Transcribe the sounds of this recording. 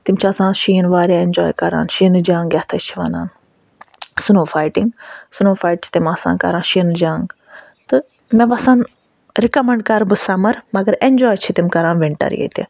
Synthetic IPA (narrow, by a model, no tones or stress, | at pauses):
t̪imt͡ʃʰiɐsãːnʃiinʋaːɾjaːend͡ʒɔːjkɐɾa̰ːnʃinɨd͡ʒaːŋɡɐt̪ʰɐt͡ʃʰiʋɐ̰na̰ːn | sunoːfaːjʈiŋɡsunoːfaːjʈ̚t͡ʃʰi̥t̪imɐsa̰ːnkɐ̰ɾaːnʃinɨd͡ʒãːŋɡ | t̪ɨ | mẽʋɐsãːn | ɾikɐmɐɳɖ̚kɐɾbɨsɐmɐɾmɐɡɐɾend͡ʒɔːjt͡ʃʰit̪imkɐɾãːnʋiɳʈɐ̰ɾ̰jḛt̪ḛ